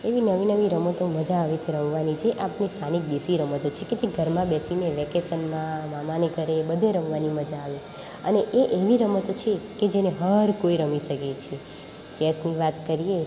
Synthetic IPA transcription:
eʋinəʋinəʋiɾəmət̪oməd͡ʒaːʋet͡ʃʰeɾəmʋanid͡ʒʰeʔapnist̪ʰanik̚d̪isiɾəmət̪ot͡ʃʰeked͡ʒeɡʱəɾmãbɛsineʋɛkesənmãmamaneɡʱəɾebəd̪ʱeɾə̃mʋaniməd͡ʒaːʋet͡ʃʰe̥ | əneʔeʔeʋiɾəmət̪ot͡ʃʰeked͡ʒeneɦəɾkoiɾəmiʃəket͡ʃʰe | t͡ʃɛsniʋat̪kəɾije

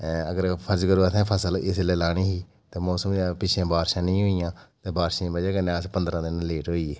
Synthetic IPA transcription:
əɡəɾpʰəɾd͡ʒkəɾoat̪ʰɛ̃ːpʰəsəlɪslɛːlaːñiːɦiː | t̪eːmoːsəmaːpɪt͡ʃʰẽːbaːɾʃãːnĩːɦoːɪjãːt̪eːbaːɾʃĩbəd͡ʒeːkənẽːəspənd̪ɾãːd̪ɪnleːʈɦoːiːeː

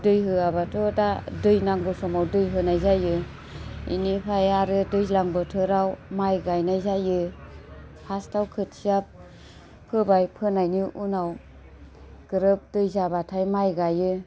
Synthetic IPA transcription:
dɯjɦɯabatʰɔdadɯjnaŋbɯsɔmawdɯjɦɯnajzajɯ | ḭnipʰajaɾɯdɯjzlaŋbɯtʰɯɾawmajɡajnajzajɯ | pʰastawkʰɯt̚sijap̚ʰ | ɯbajpʰɯnajniʔunaw | ɡ̥ɯɾɯp̚dɯjzabatʰajmajɡajɯ

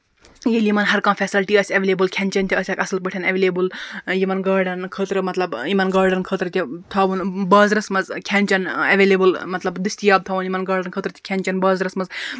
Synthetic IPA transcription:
jelimɐnɦɐɾkaːmpʰʲɛːsilɐlʈiːɐsʲɐʋeleːbɨlkʲʰenʲt͡ʃɐnt̪ʰiɐsʲɐkɐsɨlpəʈʰɐnɐʋeːleːbɨljimɐnɡaːɾɖɐnkʰəːt̪ɾɨmɐt̪lɐbimɐnɡaːɾɖɐnkʰəːt̪ɾɨt̪ʲit̪ʰɐːʋunbɐːzɾɐsmɐzkʲʰɛnʲt͡ʃɐnɐʋeːlebɨlmɐt̪lɐbd̪ist̪ijaːb̚t̪ʰɐːʋunjimɐnɡaːɾɖɐnkʰəːt̪ɾt̪ʰʲi̥kʰʲɛnʲt͡ʃɐnbɐːzɾɐsmɐz

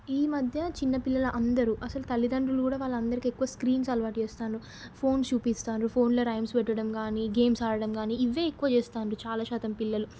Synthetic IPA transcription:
iːmɐd̪ʱjɐt͡ʃinːɐpilːɐlɐʔɐnd̪ɐɾuʔɐsɐlut̪ɐlːid̪ɐɳɖɾulukuːɽaːʋaːɭːɐɐnd̪ɐɾikiekːuʋɐskɾiːnsɐlʋaːʈt͡ʃeːst̪aːnɾu | pʰo̞ːnst͡ʃuːpist̪aːnɾupʰo̞ːnloːɾɐjmspɛʈːɐɽɐmkaːniɡe̞ːmsaːɽɐɽɐmɡaːniiʋːeːekːuʋɐt͡ʃeːst̪aːnɾut͡ʃaːlaːʃaːt̪ɐmpilːɐlu

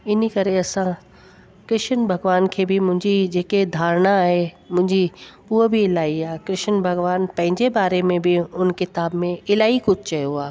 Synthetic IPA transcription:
ɪnkɐɾeɐsã | kɾɪʃənbʱɐɡʋaːnkʰeːbʱɪmʊ̃ɦɪ̃ɲd͡ʑid͡ʑeːked̪ʱaːɾnaːɦe | mʊ̃ɦɪ̃ɲd͡ʑi | uɦobʱiɪlaːiaːkɾɪʃənbʱɐɡʋaːnpɐ̃ɦɪ̃ɲd͡ʑebaːɾemẽbʱɪʊnkɪt̪aːbmẽɪlaːikʊd͡ʑʱʰt͡ɕɐɦjoaː

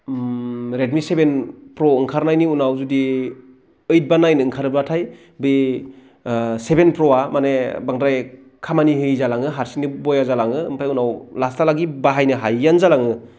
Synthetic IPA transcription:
ɾed̚misebenpɾɔɯŋkʰaɾnajniunawzudi | ɯjt̚banajnɯːŋkʰaɾɯbɾatʰaj | bɯ | sebenpɾɔamanebaŋdɾaj | kʰamanihɯjzalaŋɯɦaɾsinibɔjazalaŋɯɯmpʰajunawlastalaɡibaɦajnɯɦajːanzalaŋɯ

